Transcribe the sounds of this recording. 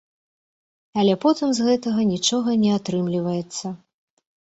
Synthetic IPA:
alʲɛpɔt̪ɨmzɣɛt̪ɐɣɐnʲit͡ʂɔɣɐnʲɛat̪ɾɨmlʲivɐjɛt̪sːɐ

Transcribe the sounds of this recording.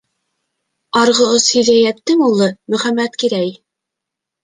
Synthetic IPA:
ɑɾʁɤ̆oshɵ̆ðæjæt̚t̪ːɘŋulˠːɤmɵ̆χæmːæt̪kiɾæj

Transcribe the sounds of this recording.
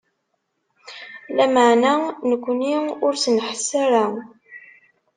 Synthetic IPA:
læməʕnænəkʷːəniʊɾsənħəsːaɾa

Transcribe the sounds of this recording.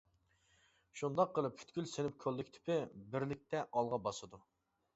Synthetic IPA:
ʃund̪ɑqːəlˠɨp̚pʰːy̥t̪kʲylsenɪp̚kʲʰølːɪkʲt̪ʰɪ̥pʰɪbɪɾlɪk̚ʲt̪ʰɛʔɑlˠʁɑbɑsɨd̪u

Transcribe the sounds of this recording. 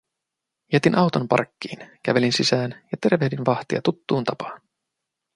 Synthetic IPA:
jæt̪inʔɑwt̪ompɑ̰rkʲːiːnk̟æʋe̞linsisæːnjɑt̪e̞ɾʋe̞hdinʋɑxt̪iɑ̰t̪ut̪ːuːnt̪ɑpɑ̥ːn

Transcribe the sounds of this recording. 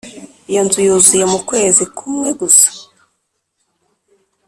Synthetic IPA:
janzujuzujemukwe̞ːzikʰumweɡusḁ

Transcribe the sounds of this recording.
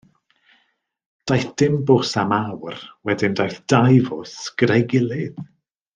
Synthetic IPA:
d̥ajθd̥ɪmbʊsamawrwɛdɪndajθd̥ajvʊsɡ̥rejɡɪlˠɪð

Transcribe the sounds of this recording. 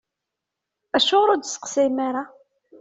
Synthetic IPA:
æʃoʁɾʊd̪sə̥qsɪmaɾa

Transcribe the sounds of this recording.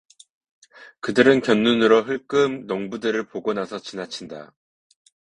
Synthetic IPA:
kɯdɯɾɯnkjʌnːunɯɾoɦɯɭk͈ɯmnʌŋbudɯɾɯɭpoɡʌnasʰʌt͡ɕinat͡ɕʰinda̰

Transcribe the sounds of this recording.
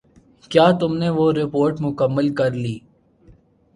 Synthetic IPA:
kjaːt̪ʊmneʋoɾɪpoːɾʈmʊkəmːəlkɐɾliː

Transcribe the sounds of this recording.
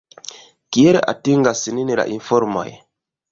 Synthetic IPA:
kieɾea̰tiŋɡasininiɾa̰ʔifɔɾma̰j

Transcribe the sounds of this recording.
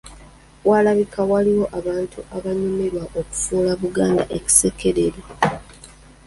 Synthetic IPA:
walaβikawaliwo̞ʔaβaːntuaβaɲome̞ɾwaʔoku̥fuːlaβuɡaːnda̰ʔeci̥se̞ke̞ɾe̞ɾwa

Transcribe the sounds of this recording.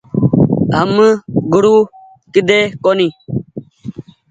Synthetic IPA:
a̰mːəɡuɾu | kid̪ekoni

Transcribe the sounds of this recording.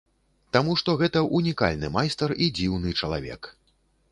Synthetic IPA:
t̪amuʂt̪ɔɣɛt̪ɐʔunʲika̰lʲnɨmajst̪ɐɾid͡zʲiwnɨt͡ʂɐlˠa̰vʲɛ̰k

